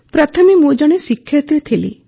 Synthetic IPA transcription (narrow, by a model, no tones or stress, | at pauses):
pɾat̪ʰɔmimud͡ʒɔɽ̃esikʰjɔt̪ɾit̪ʰilḭ